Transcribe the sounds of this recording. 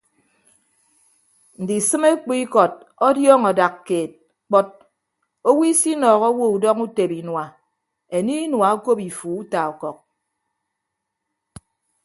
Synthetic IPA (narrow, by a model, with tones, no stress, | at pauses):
n̩˨di˨sɨ˦me˦k͡pi˦i˦kɔ˨t̚ | ɔ˦djɔː˦ŋɔ˨da˨kːeː˨t̚ | k͡pɔ˦t̚ | o˦wi˦si˦nɔː˨ɣɔ˦wo˦u˨dɔ˦ŋu˦te˨bi˨nwa˨ | e˨ni˦nwa˨o˦ko˦pi˨fu˨u˦ta˨ɔ˨kɔ˨k̚